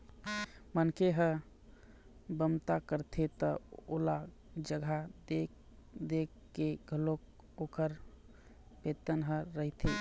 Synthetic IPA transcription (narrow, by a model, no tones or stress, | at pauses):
mənkeɦə̃ | bəmt̪akəɾt̪ʰet̪əo̰la | d͡ʒəɡʱad̪e | d̪ekːeɡʱəlok | okəɾ | pet̪ənɦə̃ɾəɦt̪ʰe